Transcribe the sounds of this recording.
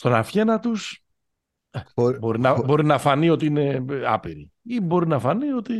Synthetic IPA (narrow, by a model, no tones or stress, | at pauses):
st̪o̞nɐfçe̞nɐt̪us | eboɾinɐbo̞ɾinɐfɐnio̞t̪iine̞ɐ̰piɾi | ibo̞ɾinɐfɐnio̞t̪i